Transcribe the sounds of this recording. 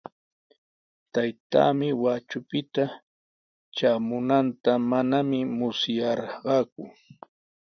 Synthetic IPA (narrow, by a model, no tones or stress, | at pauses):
t̪ajt̪a̰ːmɪwat͡ʃʊpɪt̪a | t͡ʃaːmʊnant̪amanamɪmʊsjɑɾɢɑːkʊ